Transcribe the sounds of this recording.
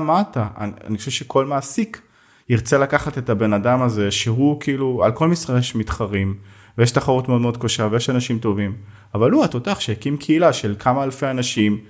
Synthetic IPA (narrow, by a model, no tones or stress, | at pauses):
mataa̰a̰niχoʃeʃe̞kʰo̞lmaːsik | iʁt͡se̞lakaχat̪etabe̞nadamaze̞ʃeɦukʰiːlua̰lko̞lmisʁajeʃmit̪χaʁim | vejeɛʃt̪aχaʁutmeod̪meo̞d̪̚kaʃavejeʃanaʃimt̪o̞vim | avaluatotaχʃeekimkʰeilaʃe̞lkʰamaːlfeanaʃim